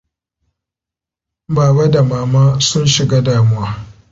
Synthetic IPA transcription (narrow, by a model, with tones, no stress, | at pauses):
baː˨ba˦da˨maː˨maː˦sʊ˦nʃɪ˨ɡaː˦daː˨mʊ˦waː˦